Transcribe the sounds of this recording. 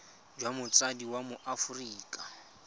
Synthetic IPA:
d͡ʒwamʊt͡sʼadiwamʊʔafʊriːkʼa

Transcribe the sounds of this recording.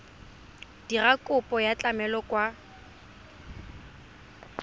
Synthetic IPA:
d̥irakʼʊpʼɔjat͡ɬʼamɛlɔkʼwa

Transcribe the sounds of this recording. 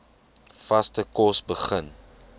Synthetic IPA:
fɐstəkɔsbəχən

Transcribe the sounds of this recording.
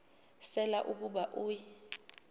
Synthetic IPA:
sɛlaʔuk̬uɓaʔuj

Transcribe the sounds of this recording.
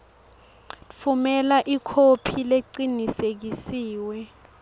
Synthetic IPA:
fumɛlaʔikʰopʰileǀinisek̬isiːwɛ

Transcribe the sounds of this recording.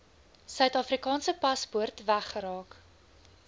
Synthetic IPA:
sœɥtɑːfrikɑːnsəpɐspuərtvæχːəɾɑːk

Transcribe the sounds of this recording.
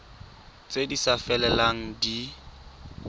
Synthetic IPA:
t͡sʼedisafɛlɛlaŋ̩di

